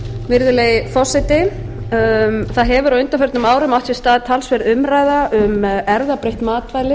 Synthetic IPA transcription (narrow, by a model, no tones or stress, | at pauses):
vɪɾðʏlejɪfɔsɪt̪ɪ | θaðɦɛvʏɾawʏnt̪afœɾt̪ʏmaːwɾʏmawt̪sɛst̪aːðt̪ʰaːlsvɛɾʏmɾaːjðaʔʏmɛɾðapɾejht̪maːt̪vaːjlɪ